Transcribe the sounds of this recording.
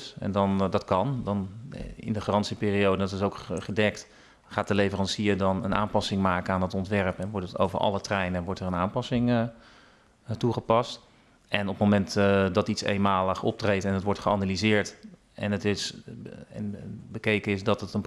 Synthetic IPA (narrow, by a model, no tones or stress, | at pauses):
sɛ̰ndɑndɑtkɑndɑnɪ̰ndəχrɑntsipɪːriowdənɑtɪsowkχədɛkt | χaːt̚dəlejvərɑnsiədɑnə̰nʔa̰ːnpɑsɪŋmaːkənaːndɑtɔntʋɛrpɛnʋɔɹtəto̰wvəɹʔɑ̰lətrɛjnənʋɔɹtərənaːmpɑsɪŋ | tuχəpɑst | ʔɛnɔpmomɛntdɑtitsḛjnmaːləχɔ̰p̚trejtɛnɦətʋɔɹtχəanalizɪːɹt | ʔɛ̰nətɪsɛ̰nbəkejkənɪsdɑtətən